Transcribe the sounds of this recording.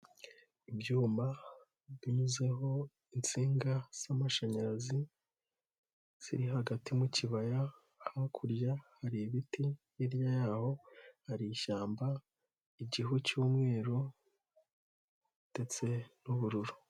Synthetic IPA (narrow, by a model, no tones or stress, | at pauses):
ibjuːmba | βiɲuze̞ɦo̞ | int͡siːŋɡaz̥amaʃaɲaɾazi | z̥ḭɾiɦaɡatimuciβaja | hakʰuɾjahaɾiβitijiɾjajaːho̞haɾiːʃaːmba | iɟiɦucuːmŋe̞ːɾo | ite̞t͡se̞nuβuɾuɾu